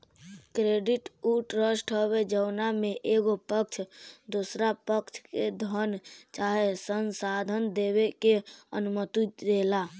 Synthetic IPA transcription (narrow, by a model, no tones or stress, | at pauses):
kɾeɖiʈuʈɾəsʈɦəβed͡ʒəʊnameʔeɡopəkt͡ʃʰd̪osɾapəkt͡ʃʰked̪ʱənt͡ʃaɦesənsad̪ʱənd̪ebekeənumət̪ud̪ela